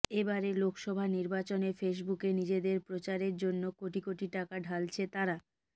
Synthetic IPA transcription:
ebaɾelokʰʃɔbʱaniɾbat͡ɕonefeʃ̬bukenid͡ʑed̪eɾpɾot͡ɕaɾeɾd͡ʑonːokoʈikoʈiʈakaɖʱalt͡ɕʰet̪aɾa

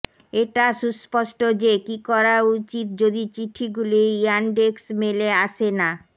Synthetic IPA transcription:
eʈaʃuspɔʃʈod͡ʑekikɔɾaut͡ɕit̪̚d͡ʑod̪it͡ɕiʈʰiɡulianɖeksmeleaʃʰena

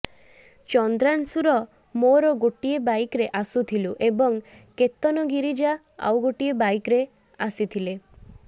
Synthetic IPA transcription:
t͡ʃɔnd̪ɾansuɾɔ | moɾɔɡoʈiebajkɾeʔasut̪ʰiluʔebɔŋ | ket̪ːɔnɔɡiɾid͡ʒa | a̰wɡoʈiebajkɾe | asit̪ʰile

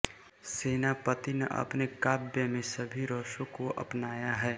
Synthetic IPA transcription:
seːnapət̪ineʔɐ̰pnekaːbjəmẽsəbʱiɾoːʃõkoʔɐ̰pnaːjaɦɛː

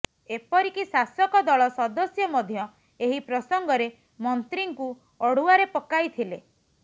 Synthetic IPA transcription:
epɔɾikisasjɔkɔd̪ɔɭɔsɔd̪ɔsjɔmɔd̪ʱjɔ | eɦipɾɔsɔŋɡɔɾe | mɔnt̪ɾiŋku | ɔɽ̤uaɾepɔkajt̪ʰile

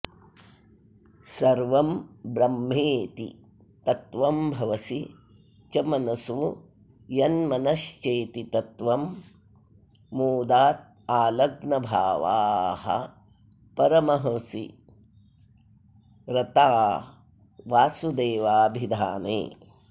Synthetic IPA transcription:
sɐɾʋɐmbɾɐmːeːt̪ḭ | t̪ɐt̪ʋɐmbʱɐʋɐsi | t͡ʃɐmɐnɐsu | jɐnmɐnɐʃt͡ʃeːt̪it̪ɐt̪ʋɐm | oːd̪aːt̪̚ | aːlɐɡnɐbʱaːʋa̰ːhɐ̰ | pɐɾɐmɐɦɐsḭ | ɾɐt̪aː | ʋaːsud̪eːʋaːbʱid̪ʱaːnḛː

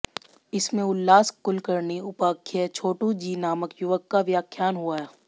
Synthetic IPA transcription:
ɪsmẽʊlːaːskʊlkəɾniʊpaːkʰːət͡ʃʰoːʈũd͡ʒiːnaːməkjʊʋəkːaʋjaːkʰjaːnɦuaɦɛː

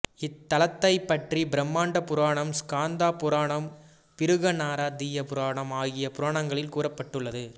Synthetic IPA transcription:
ɪt̪ːɐlɐt̪ːɐɪpːɐʈribɪɾɐmːaːɳɖɐpʊɾaːɳɐmskaːnd̪aːpʊɾaːɳɐm | pɪɾɯɣɐnaːɾaːd̪ijɐpʊɾaːɳɐmaːɣɪjɐpʊɾaːɳɐŋɡɐɭɪlkuːrɐpːɐʈːɯɭːɐðɯ

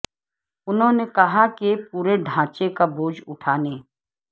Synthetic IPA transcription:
ʊnɦõnekɐɦakep̚uːɾeɖʱãːt͡ʃekaboːd͡ʒʊʈʰaːneː

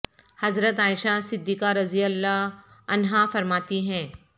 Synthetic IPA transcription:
hɐzɾət̪aːɪʃasɪd̪ːiːkaɾɐzijəlːaɐnɦafɐɾmaːt̪iɦɛ̃ː

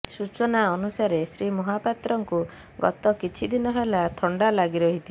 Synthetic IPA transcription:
sut͡ʃɔnaɔnusaɾesɾimɔɦapat̪ɾɔŋku | ɡɔ̰t̪ɔkit͡ʃʰid̪inɔɦelat̪ʰɔɳɖalaɡiɾɔɦit̪ʰi

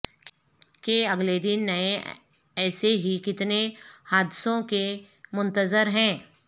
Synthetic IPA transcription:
keɐɡled̪ɪnːɐẽ | ɛːseɦikɪt̪nehaːd̪ɪsõke | mʊ̃nt̪əzəɾɦɛ̃ː

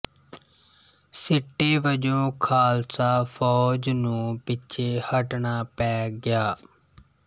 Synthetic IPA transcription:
sɪʈːeːʋəd͡ʒõːkʰaːlsaːfʰɔːd͡ʒnũːpɪt͡ʃʰeːhəʈɳaːpɛːɡɪjaː

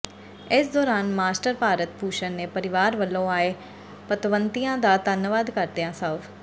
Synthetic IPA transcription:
ɪsd̪ɔːɾaːnmaːsʈəɾpaːɾət̪puːʃənːeːpəɾɪʋaːɾʋəlːõːaːeː | pət̪ʋənt̪ijãːd̪aːd̪ənʋaːd̪kəɾd̪ejãːsəːf

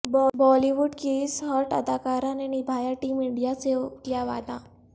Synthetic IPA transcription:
bbɔliʋuɖkeisɦəɾʈad̪akaɾãnenibʱajaʈimiɽijat͡sek̪jaʋa̰d̪ã

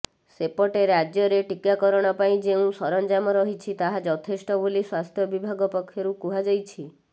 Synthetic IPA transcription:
sepɔʈeɾad͡ʒjɔɾeʈikakɔɾɔɽ̃ɔpaĩd͡ʒeũsɔɾɔnd͡ʒamɔɾɔɦit͡ʃʰit̪aɦad͡ʒɔt̪ʰesʈɔboliswast̪ʰjɔbibʱaɡɔpɔkʰːjɔɾukuɦad͡ʒɔjt͡ʃʰi

